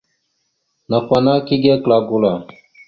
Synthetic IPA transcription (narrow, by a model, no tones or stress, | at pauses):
naxwanaːkiɡeklaːɡulaː